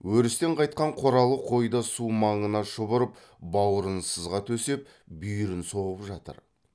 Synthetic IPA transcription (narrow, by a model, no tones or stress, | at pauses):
wɵɾɪst̪e̞ɴqʰɑjt̪̚qɑɴqʰoɾɑlˠəqʰo̞jd̪ɑsumɑɴənɑʃəβəɾəp̚ | bɑwəɾənsəzʁɑt̪ʰɵse̞p̚ | byjɾɪnso̞ʁəpʒɑt̪ə̰ɾ